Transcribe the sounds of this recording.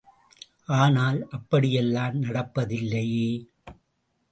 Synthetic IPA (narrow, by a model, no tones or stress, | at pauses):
ʔaːnaːlʔɐpːɐɽɪjɛlːaːmnɐɽɐpːɐðɪlːɐjeː